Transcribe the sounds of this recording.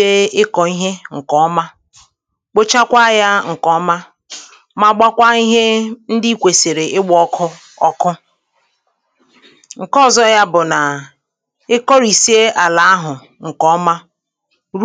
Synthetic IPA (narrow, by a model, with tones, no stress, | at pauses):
e˦ɪ˦kɔ˨i˦ɦe˦ŋ̩˨kɔ˨˦ma˦ | k͡po˦t͡ʃa˦kʷa˦ja˦ŋ̩˨kɔ˦ɔ˦ma˦ | ma˦ɡ͡ba˦kʷa˦i˦ɦe˦n̩˦dɪ˦kʷe˨se˨ɾe˨ɪ˦ɡ͡bɔ˦kʰʊ˦ | ɔ˦kʊ˦ | ŋ̩˨kɔ˦˨zɔ˦ja˦bʊ˨na˨ | ɪ˦kɔ˦ɾi˨si˦e˦ʔa˨la˨a˦ɦʊ˨ | ŋ̩˨kɔ˨˦ma˦ | ɾ